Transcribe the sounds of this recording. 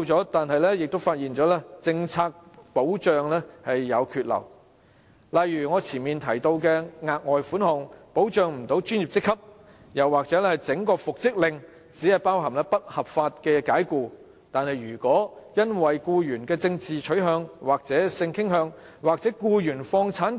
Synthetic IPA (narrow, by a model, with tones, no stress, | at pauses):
wt͡sɔː˨˥t̪aː˨nhɐ˨jlɛː˥jɪ˨k̚t̪wfaː˧t̚jiː˨nt͡ʃɔː˨˥lɛː˥t͡sɪ˧ŋt͡sʰaː˧k̚po˨˥wt͡ʃœː˨ŋlɛː˥hɐ˨jːɐ˨˧wkʰyː˨˧t̚lɐ̰˨˩w | lɐ˨jjyː˨˩ŋɔː˨˧t͡sʰiː˨˩nmiː˨nt̪ʰɐ˨˩jt̪o˧wkɛː˧ŋaː˧k̚ŋɔː˨jfuː˨˥nhʊ˨ŋpo˨˥wt͡ʃœː˨˧ŋm̩˨˩t̪o˨˥wt͡ʃyː˥nji˨p̚t͡sɪ˥kʰːɐ˥p̚ | jɐ˨˩wːaː˨k̚t͡sɛː˨˥lɛ˥hɐ˨˩jt͡sɪ˨˥ŋkɔː˧fʊ˨k̚t͡sɪ˥k̚lɪ˨ŋ | t͡siː˨˥hɐ˨jpaː˥wɦɐ˨˩mlɛː˥pɐ˥t̚hɐ˨p̚faː˧t̚kɛː˧kaː˨˥jkuː˧ | t̪aː˨nhɐ˨jɥyː˨˩kʷɔː˨˥jɐ˥nwɐ˨jkuː˧jyː˨˩nkɛː˧t͡sɪ˧ŋt͡siː˨t͡ʃʰɵ˨˥ɥɦœː˨˧ŋwaː˨k̚t͡sɛː˨˥sɪ˧ŋkʰɪ˥ŋɦœː˧ŋ | waː˨k̚t͡sɛ˨˥kuː˧jyː˨˩nfɔː˧ŋt͡sʰaː˨˥n